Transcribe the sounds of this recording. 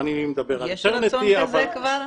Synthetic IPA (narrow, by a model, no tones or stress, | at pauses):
anilimed̪abeʁalt̪eʁneiava